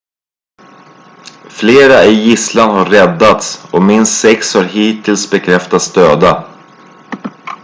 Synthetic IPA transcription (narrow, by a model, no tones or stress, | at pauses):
fleːɾaɪjɪslanɦaɾrɛd̪ːat̪sɔmɪnst̪sɛkshaɾɦiːt̪ʰɪlsbɛkʰɾɛft̪at̪sd̪øːd̪a